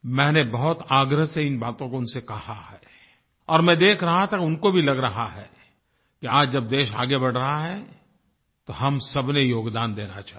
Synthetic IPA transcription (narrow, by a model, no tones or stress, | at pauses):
mɛ̃ːnebɐɦʊt̪aːɡɾəɦseɪnbaːt̪õkoʊnsekɐhahɛː | ɔːɾmɛ̃ːd̪eːkʰɾɐɦat̪ʰakʊnkobʱilɐɡɾɐɦaɦɛ | kiaːd͡ʒd͡ʒɐb̚d̪eːʃa̰ːɡebɐɽ̤ɾɐɦaɦɛ | t̪oɦɐmsɐbnejoːɡd̪aːnd̪eːnat͡ʃaːɦ